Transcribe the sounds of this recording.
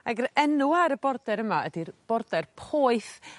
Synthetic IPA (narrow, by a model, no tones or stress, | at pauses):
aɡəɾɛnuaɾəbɔrdɛɾəmaədirb̥ɔrdɛrpʰoːɨθ